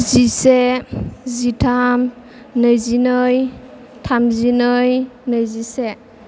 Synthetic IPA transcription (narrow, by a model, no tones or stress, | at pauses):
zise | zitʰam | nɯjzinɯj | tʰamzinəjnəjzise